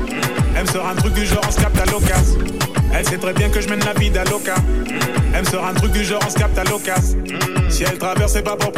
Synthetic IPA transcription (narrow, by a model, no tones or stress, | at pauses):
ɛlmsɔʁɛ̃t̪χyk̚d̪yʒɑ̃ʁɔ̃skap̚t̪alɔkazɛlsɛt̪χɛbjɛ̃kəʒəmɛnlavid̪alɔka | ɛlmsɔʁɛ̃t̪χyk̚d̪yʒɑ̃ʁɔ̃skap̚t̪alɔkazsiɛlt̪χavɛʁsɛpapɔp